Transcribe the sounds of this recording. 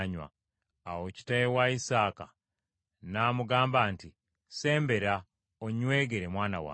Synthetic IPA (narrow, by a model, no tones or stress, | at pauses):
ɲwa̰ː | woci̥tajewaisaːka | naːmuɡaːmbaːnti | se̞ːmbe̞ɾa | oɲwe̞ːɡe̞ɾe̞mwaːna̰wa̰ː